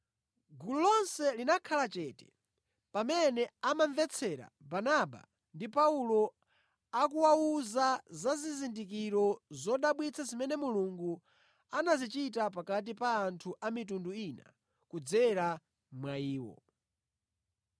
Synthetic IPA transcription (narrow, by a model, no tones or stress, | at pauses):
ɡululɔnsɛlinakʰalat͡ʃɛtɛ̥ | pamɛnɛamanvɛt͡sʰɛɾa̰banaba̰ | ndipaulɔ | akuwauzazazizindikiɾɔzɔɗaɓwit͡sʰazimɛnɛmuluŋɡu | anazit͡ʃitapakat̬ipaːntʰuʔamit̬unduina̰ | kud͡zɛɾa | mwaiːwɔ̰